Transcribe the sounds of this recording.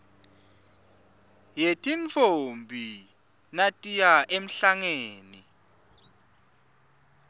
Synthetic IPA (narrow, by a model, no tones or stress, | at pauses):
jetʼint͡fʰʼombʱi | natʼijaʔem̩ɬaŋeːni